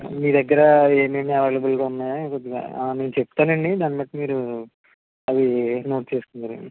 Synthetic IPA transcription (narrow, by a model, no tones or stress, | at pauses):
miːd̪ɐɡːɐɾɐeːmeːmɐʋeːlɐbɐlɡaːunːaːkod̪ːiɡa̰ːne̞ːnut͡ʃepːu̥t̪aːnɐɳɖid̪aːnipɐjʈɐmiːɾu | ɐʋino̞ːʈ̚t͡ʃe̞ːsukund̪aɾu